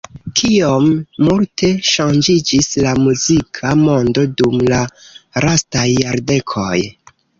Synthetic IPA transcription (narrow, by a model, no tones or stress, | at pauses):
kʰiomːultʰe̞ʃand͡ʒid͡ʒislamuzikʰamo̞ndo̞dumlaɾastajːaɾde̞kʰo̰j